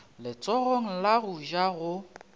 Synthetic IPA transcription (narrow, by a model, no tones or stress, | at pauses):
lɪt͡sʼɔɣoŋ̩laɣuʒaɣʊ